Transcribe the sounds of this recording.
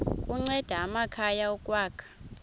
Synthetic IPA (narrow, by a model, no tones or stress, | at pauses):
kʼuŋ͡ǀɛd̥ʱaːmakʰajaɔkʼwaːkʰḁ